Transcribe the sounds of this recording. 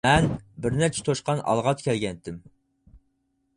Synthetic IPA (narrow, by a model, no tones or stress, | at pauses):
ɛnbɪɾnæɾt͡ʃʰɛ̥t̪ʰoʃqɑnɑ̰lˠʁɑt̪kʲʰɛlɡʲɛnt̪ʰɪm